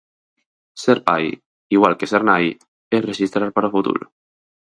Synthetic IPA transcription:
seɾpaj | iɣwalkeseɾnaj | ereʒist̪ɾaɾpaɾofut̪ṵl

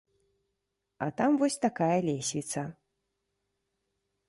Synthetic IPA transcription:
ɐ̰t̪amvɔsʲt̪akajɐlʲesʲvʲit̪sɐ

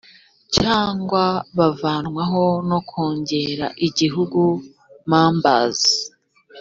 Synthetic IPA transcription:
caːŋɡwaβavaːnŋwaɦo̞no̞kʰoːɲɟe̞ɾa̰ʔiɟiɦuɡu | maːmba̰zi

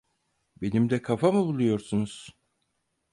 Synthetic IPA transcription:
be̞nimd̪ɛkʰafamɯbulˠujo̞ɾsunuz̥

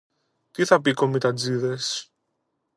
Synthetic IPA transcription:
t̪iθɐpiko̞mit̪ɐd͡ziðes

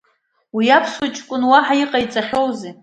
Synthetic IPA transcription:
wijapʰswat͡ʃʼkʷʼʊnwaħaiqʼajt͡sʼaχʲo̞wze

